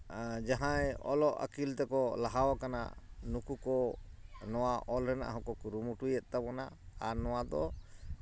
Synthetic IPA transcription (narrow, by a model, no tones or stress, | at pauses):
d͡ʒaɦãjɔ̰lɔʔa̰kilt̪ɛkɔlaɦawakana̰nukukɔ | nɔwaʔɔlɾɛna̰ʔɦɔ̃kɔkuɾumuʈujɛt̪̚ˀt̪abɔnaanɔwad̪ɔ